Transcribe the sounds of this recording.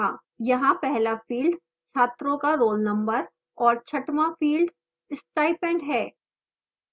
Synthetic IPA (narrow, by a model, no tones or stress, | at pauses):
ãː | jɐɦãpɛɦlafiːlɖ | t͡ʃʰaːt̪ɾõkaɾoːlnɐ̃mbəɾ | ɔːɾt͡ʃʰɐʈmãfiːlɖ | ɪsʈaːɪpɛ̃ːɳɖɦɛː